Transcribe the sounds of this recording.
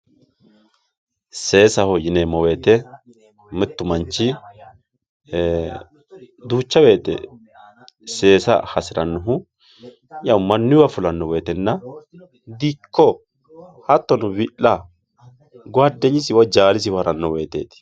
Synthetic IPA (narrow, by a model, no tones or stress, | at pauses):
se̞ːsɐhɔjɪnemɔweːt̪ɛ | mɪt̪ːʊmɐnt͡ʃːɪ | d̪uːt͡ʃːɐwe̞ːt̪ɛ̰ | se̞ːsɐ̰hɐsɪɾɐnːʊɦʊ | jɐwmɐnːɪwɐfʊlɐnːɔweːt̪ɛnːɐ | d̪ikːɔ | hɐt̪ːɔnʊwɪʔɐ | ɡɔɐd̪ːɛɲɪsɪwɐd͡ʒaːlɪs̬ɪwɾʔɐnːɔwe̞ːt̪ḛːt̪ɪ̥